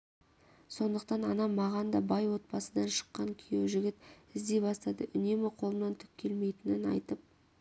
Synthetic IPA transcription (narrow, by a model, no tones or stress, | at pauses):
so̞nd̪əqt̪ɑnɑnɑmɑʁɑnd̪ɑbɑjwo̞t̪̚pɑsəd̪ɑnʃə̥qːɑŋkʲʰijewʒɪɡʲɪt̪ɪzd̪e̞bɑst̪ɑd̪əʔʏne̞mɪqʰo̞lˠəmnɑnt̪ʰʏ̥k̚ʲʰːe̞lme̞jt̪ɪnɪnɑ̰jt̪əp̚